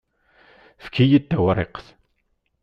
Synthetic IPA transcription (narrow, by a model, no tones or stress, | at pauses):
fkʰːijid̪ːæwɾˤeqθ